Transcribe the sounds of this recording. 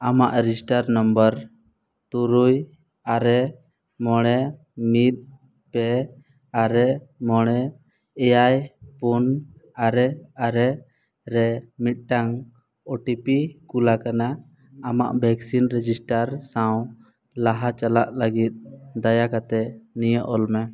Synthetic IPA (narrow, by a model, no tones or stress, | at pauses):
ama̰ʔɾisʈaɾnəmbəɾ | t̪uɾuj | aɾɛ | mɔɽ̃ɛ | mit̪̚ˀ | pɛ | aɾɛmɔɽ̃ɛ | ɛjajpunaɾɛaɾɛ | ɾɛmit̪̚ʈaŋ | ɔʈipikulakanaː | ma̰ʔbʱɛksinɾɛd͡ʒisʈaɾsaw̃ | laɦat͡ʃalaʔləɡit̪̚d̪ajakat̪ɛnijəʔɔlmɛ